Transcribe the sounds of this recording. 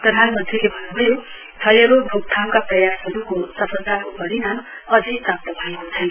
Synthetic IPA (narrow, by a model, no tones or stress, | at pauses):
prʌd̪ʱanmʌnt̪ilebʱʌnːubʱʌjo | t͡sʰʌleɾobʱuk̚t̪ʰawkaprʌjasɦʌɾukosʌpʌnt̪aobʌɾinam | ʌd͡ziprap̚t̪ʌbʱʌekot͡sʰʌj